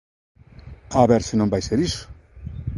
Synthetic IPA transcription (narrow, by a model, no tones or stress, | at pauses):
aβeɾsenombajseɾisu̥